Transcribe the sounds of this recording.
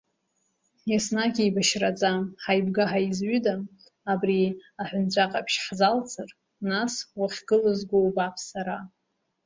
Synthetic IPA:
jasnaɡʲijbaʃrat͡sʼaħajbɡaħaizɥydaː | briaħʷᶣʊnt͡sʷʰʼaqʼapʰʃħzalt͡sʰʼɨr | naswaχʲɡɨlɨzɡʷowbapʰsaɾa

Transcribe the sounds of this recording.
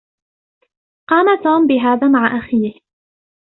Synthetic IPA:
qɑːmat̪uːmbɪɦaːðaːmaʕaʔaxiːh

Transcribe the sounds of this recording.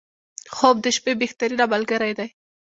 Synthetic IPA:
xob̚d̪əʃpebext̪aɾiɾabalɡəɾajd̪aj

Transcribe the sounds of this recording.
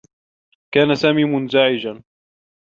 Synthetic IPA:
kaːnasaːmiːmʊnzaʕɪd͡ʒan

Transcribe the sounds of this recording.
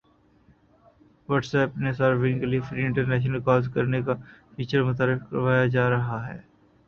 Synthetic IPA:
ʋəʈsɛːpnesaːɾʋɪ̃ŋɡeliefɾiːɪ̃ɳʈəɾnɛːʃ̬nəlkɔːzkɐɾnekafiːt͡ʃəɾmɐt̪aːɾɪfkɾɐʋaːjad͡ʒaːɾɐɦaɦɛ̰ː

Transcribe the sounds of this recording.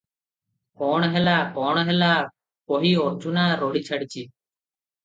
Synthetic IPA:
kɔːɳ̃ɦɛlaːkɔːɳ̃ɦɛlaː | poɦiːoɾd͡ʒunaːɾoɽit͡ʃʰəɽit͡ʃʰiː

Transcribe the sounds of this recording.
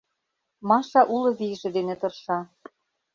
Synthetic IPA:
mɑʃɑʔulɤ̆βiʒĕd̪enĕt̪ɤ̆rʃɑ

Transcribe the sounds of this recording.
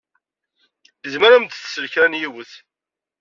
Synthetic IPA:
zməɾæmt̪θsəlçɾænjiwəθ

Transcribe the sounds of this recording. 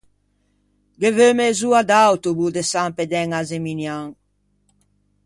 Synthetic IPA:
ɡevømezuad̪awt̪ubud̪esamped̪ɛŋazeminjaŋ

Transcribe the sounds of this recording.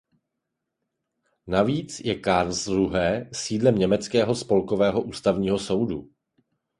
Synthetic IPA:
naviːt͡sjɛkaɾlzɾuɦɛːsiːdlɛmɲɛmɛt͡skɛːɦo̞spo̞lko̞vɛːɦo̞ʔuːst̪avɲiːɦo̞so̞wdu

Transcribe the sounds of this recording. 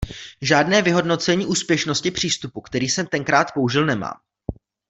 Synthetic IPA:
ʒaːdnɛːvɪɦo̞dno̞t͡sɛɲiːʔuːspjɛʃno̞scɪpr̝̥iːst̪upukt̪ɛɾiːsɛmt̪ɛŋkɾaːt̪po̞uʒɪlnɛma̰ːm

